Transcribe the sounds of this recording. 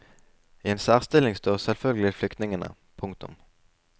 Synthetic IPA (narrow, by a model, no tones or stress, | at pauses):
ɪeːnsæːʁst̪ɪlnɪŋst̪oːʁsɛlfœlɡlɪt̪flʏkt̪nɪŋənə̰ | pʰʊŋk̚t̪ʊ̰m